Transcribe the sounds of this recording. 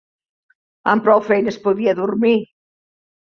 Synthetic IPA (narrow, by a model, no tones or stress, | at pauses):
ampɾɔwfejnəspuðiɐðuɾmi